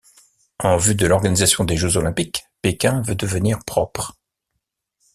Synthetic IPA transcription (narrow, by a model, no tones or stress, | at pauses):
ɑ̃vyd̪əlɔʁɡanizasjɔ̃d̪eʒøzɔlɛ̃pikpekʲɛ̃vød̪əvəniʁpχɔpχ